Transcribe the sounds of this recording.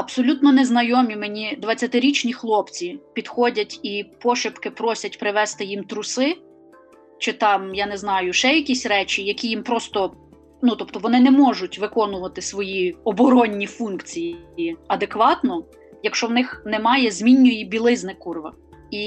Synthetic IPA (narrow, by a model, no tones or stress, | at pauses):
ɐb̥sɔlʲut̪nɔnɛznɐjɔmʲimenʲid̪ʋɐt͡sʲːɐt̪ɪɾʲit͡ʃnʲixlˠɔpt͡sʲipʲid̪xɔdʲɐtʲipɔʃɪpkɪpɾɔsʲɐtʲpɾɪʋɛst̪ɪjimt̪ɾʊsɪ | t͡ʃɪt̪ɑmjɑnɛznɑjʊʃɛjɐkʲisʲɾɛt͡ʃʲijɐkʲijimpɾɔst̪ɔ | nut̪ɔpt̪ɔʋɔnɪnɛmɔʒʊtʲʋɪkɔnʊʋɐt̪ɪsʋɔjiɔbɔɾɔnʲːifunkt͡sʲijiɐd̪ekʋɑt̪nɔ | jɐkʃt͡ʃɔwnɪxnɛmɑjɛzʲmʲinʲːʊjibʲilˠɪznɪkurʋɐ̰ | i